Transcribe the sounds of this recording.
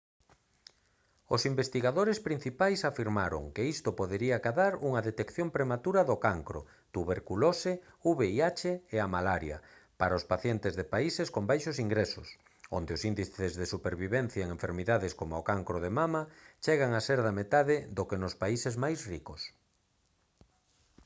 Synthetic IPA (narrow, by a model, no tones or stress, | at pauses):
ʊsimbest̪iɣaðoɾɪspɾin̟θipajsafiɾmaɾʊ̰ŋkeist̪ʊpoðeɾiakaðaɾuŋɐðet̪ekθjompɾemat̪uɾɐðokaŋkɾo̰ | t̪uβeɾkulose | uβeiat͡ʃeeamalaɾjɐ̰ | paɾaʊspaθjent̪ɪzðepaiseskombajʃosiŋɡɾesʊ̰s | o̰nd̪eʊsind̪iθezðesupeɾβiβɛn̟θjaeŋẽɱfeɾmiðaðeskomʊokaŋkɾoðemamɐt͡ʃɛɣaŋaseɾðamet̪aðɪðokenʊspaisezmajsrikos